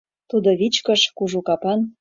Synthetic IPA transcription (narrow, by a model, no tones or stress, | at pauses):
t̪ud̪oβit͡ɕkəʃkuʒukɑpɑn